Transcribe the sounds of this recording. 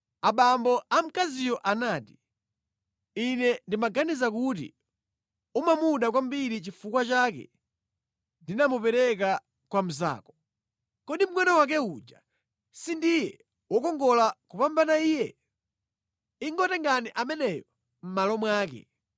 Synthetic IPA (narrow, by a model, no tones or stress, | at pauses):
aɓambɔʔam̩kazijɔʔanaːti̥ | inɛndimaɡanizak̬utḭ | umamuɗak̬wambiɾit͡ʃifukwat͡ʃakɛ̰ | ndinamupɛɾɛk̬a | kwam̩za̰ːkɔ̥ | kɔɗim̩ŋwɛnɔwak̬ɛud͡ʒa | sindijɛ | wɔkɔŋɡɔlakupambanaiːjɛ | iŋɡɔtɛŋɡaniʔamɛnɛjɔ | m̩malɔmwaːkɛ̰